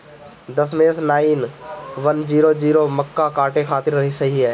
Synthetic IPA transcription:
d̪əsmẽːsnaːinʋənd͡ʒiːɾod͡ʒiːɾomɐkːakaːʈekʰaːt̪ɪɾɾɐɦisɐɦiɦɛː

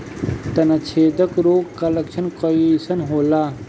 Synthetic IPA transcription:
t̪ɐnɐt͡ʃʰeːd̪əkɾoːɡkɐlekʃɐnkəjisɐnɦoːlaː

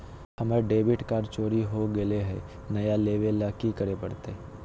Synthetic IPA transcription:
hɐmɾeɖeːbɪʈkaːɾt͡ʃoːɾiɦoɡeleɦɛ̰ | nɐjaleːʋelaːkikɐɾepɐɽt̪e

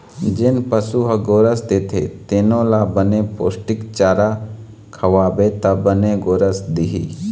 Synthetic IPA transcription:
d͡ʒɪnpəsuɦɡoːɾəsd̪eːt̪ʰḛt̪enõlabənepoːsʈɪkt͡ʃaːɾa | kʰɐʋaːbet̪ɐbəneɡoːɾəsd̪ɪɦḭː

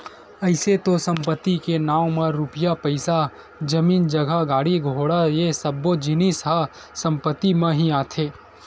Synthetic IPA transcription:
ɐɪset̪osɐ̃mpət̪ːikenaːwmẽɾʊpɪjapəɪsa | d͡ʒɐmiːnd͡ʒɐɡʱaɡaːɽiɡʱoːɽajesɐbːod͡ʒɪnisɦa | sɐ̃mpət̪ːimẽɦiaːt̪ʰeː

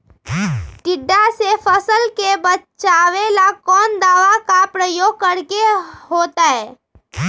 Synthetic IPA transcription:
ʈɪɖːasepʰəsəlkebət͡ʃaːwelakɔːnd̪aːʋakapɾəjoːɡ̚kəɾkeɦoːt̪aɦɛː

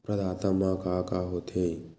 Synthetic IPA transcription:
pɾɐd̪aːt̪əmãkakaɦot̪ʰẽ

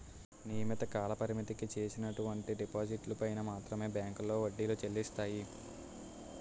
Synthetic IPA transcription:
nijɐmit̪ɐkaːlɐpɐɾimit̪ikit͡ʃe̞ːsinɐʈuʋɐɳʈiɖipaːd͡ʒiʈlupɐjnɐmaːt̪ɾɐme̞ːbjaːŋkulːo̞ːʋɐɖːilot͡ʃelːist̪aːji

